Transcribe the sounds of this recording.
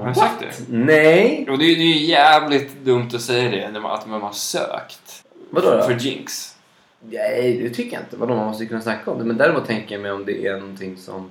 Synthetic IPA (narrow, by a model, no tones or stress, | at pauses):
hsak̚t̪d̪ɛ̰nɛjɔd̪ɛjd̪ɛjjæːvlɪt̪d̪ɵmt̪ɔsɛjːad̪ɛnɛa̰t̪manhasø̰ːkt̪ | vad̪oːfœd͡ʒɪ̰ŋks | nɛjd̪ɛt̪ʰʏkːəja̰ɪ̰nt̪əvad̪oːmanmɔst̪əkɵnːasnakʰːaɔmd̪ɛmɛnd̪æːɾɪmuːt̪ːʰɛŋkəjamɛjɔmd̪ɛʔænɔnt̪ʰɪŋːsɔ̰m